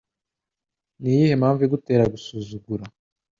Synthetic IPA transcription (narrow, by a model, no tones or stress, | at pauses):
nijihemhaːɱviɡute̞ːɾaɡusuzuɡuɾa